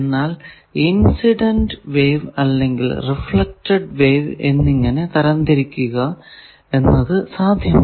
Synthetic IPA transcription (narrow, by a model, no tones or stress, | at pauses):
nːaːl | insiɖɐnɖʋe̞ːʋɐlːe̞ŋɡḭlrifɭɐk̚ʈɐɖʋeːʋe̞̰nːiŋːɐne̞t̪ɐɾɐnd̪ɐɾikʲːuɣɐ | e̞nːɐðɨsaːd̪ʱjɐm